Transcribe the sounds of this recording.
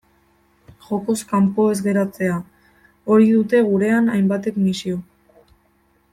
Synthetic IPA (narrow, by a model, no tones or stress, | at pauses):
ʝo̞ko̞skampo̞e̞zɣe̞ɾat͡se̞a | o̞ɾiðut̪e̞ɣ̞uɾe̞anajmbat̪e̞kmisio̞